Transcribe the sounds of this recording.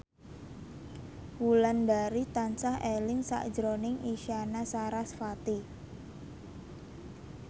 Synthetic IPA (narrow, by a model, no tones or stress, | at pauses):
wulandaɾit̪ansahelɪŋsa̰ʔd̥d͡ʒɾonɪŋʔiʃianasaɾasfat̪i